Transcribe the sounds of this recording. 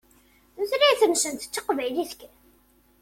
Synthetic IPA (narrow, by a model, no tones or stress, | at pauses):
θɾiθənsənt̪ə̥t͡sːəqvæjliθə̥kː